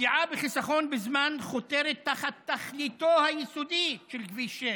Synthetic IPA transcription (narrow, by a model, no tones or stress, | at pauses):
iʕabeχisaχo̞nbezmanχot̪eɾet̪ːaχat̪ːaχlit̪ohajisod̪iʃelɡviʃe